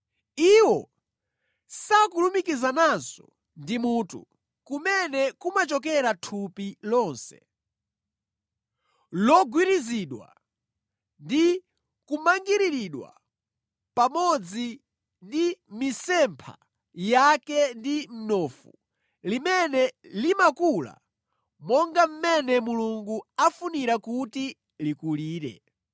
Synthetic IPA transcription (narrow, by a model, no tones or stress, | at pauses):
iwɔ | sakulumikizanansɔ̰ | ndimutṵ | kumɛnɛkumat͡ʃɔkɛɾatʰupilɔːnsɛ̰ | lɔɡwiɾiziɗwa̰ | ndi | kumaŋɡiɾiɾiɗwa̰ | pamɔd͡zi | ndimisɛmpʰa̰ | jakɛndim̩nɔfu | limɛnɛlimakula̰ | mɔŋɡam̩mɛnɛmuluŋɡuafuniɾakuti | likuliːɾɛ̰